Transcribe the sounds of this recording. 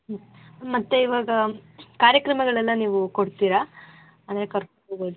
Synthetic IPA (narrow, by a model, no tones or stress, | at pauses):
ɦ | mɐt̪ːeiʋaːɡɐkaːɾjɐkɾɐmɐɡɐɭɛlːɐniːʋukoɽt̪iːɾa | ɐnd̪ɐɾe̞kɐɾkoɳoːɡoːd̪u